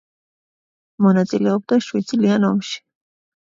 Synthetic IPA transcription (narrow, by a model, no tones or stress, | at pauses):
mʊnat͡sɪleop̚t̪aʃwɪt͡sɪlɪanomʃɪ̥